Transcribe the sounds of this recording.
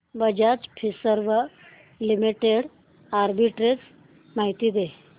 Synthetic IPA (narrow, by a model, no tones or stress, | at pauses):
bəd͡ʑat͡ʃpʰisəɾʋə | limiʈeɽ | aɾbiʈɾes | maɦit̪id̪e